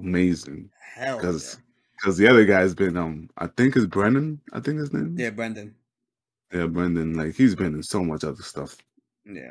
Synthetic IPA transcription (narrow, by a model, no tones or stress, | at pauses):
əmeɪzɪ̃ŋ | ɛkʰʌz | kʰʌzðiʌðə˞ɡaɪzbɨ̃nʌ̃mʔa̰ɪθɪ̃ŋkhɨzbɹɛ̃nɨ̃naɪθɪ̃ŋkhɨznḛ̃ɪ̃jæbɹɛ̃ndɨ̃n | jæbɹɛ̃ndɨ̃nlaɪkhizbɨ̃nɨ̃nsoʊmʌt͡ʃʌðə˞stʌ̰f | jæ̰